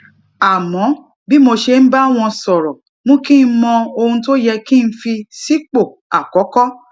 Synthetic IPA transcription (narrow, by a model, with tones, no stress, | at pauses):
a˨mɔ̃˨˦ | bi˦mo˧ʃe˧n̩˦ba˦w̃ɔ̃˧sɔ˨ɾɔ˨ | mõ˦kĩ˦n̩˦mɔ̃˧o˧hũ˧t̬o˦jɛ˧kĩ˦˧˦fi˧si˦k͡po˦˨ | a˨kɔ˨˦kɔ˦